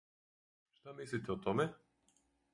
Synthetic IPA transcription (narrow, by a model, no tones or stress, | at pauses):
ʃt̪amislit̪ʲɛɔt̪ɔmɛ